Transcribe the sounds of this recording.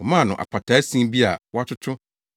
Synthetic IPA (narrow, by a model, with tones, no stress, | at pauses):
ɔ˨mã˦˨nʊ̃˨ʔa̰˨pʰa˨tʰa˨˦sĩ˦bi˦a˨wa˦tʰʊ˦tʰʊ˦